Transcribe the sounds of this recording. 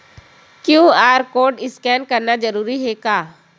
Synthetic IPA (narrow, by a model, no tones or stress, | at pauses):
kjũːaːɾkoːɖɪskɛːnkɐɾnad͡ʒɐɾuːɾiɦɛkaː